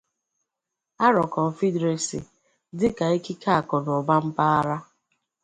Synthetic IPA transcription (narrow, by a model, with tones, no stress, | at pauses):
a˦ɾɔ˨kɔ˨m̩˨fi˦dɾe˨sḭ˨ | dɪ˦ka˨i˦ki˦ka˦a˨kɔ˨n˨ɔ˨ba˦m̩˦pa˦a˦ɾa˦